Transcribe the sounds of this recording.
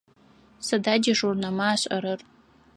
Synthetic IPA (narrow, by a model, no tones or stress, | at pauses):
sadadʲiʐurnamaːʃʷʼaɾɨr